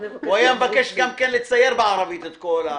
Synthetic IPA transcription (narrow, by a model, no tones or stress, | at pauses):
wajamevakeʃɡamkenlit͡sajːeɾbeʕaɾˤɑvit̪et̪kola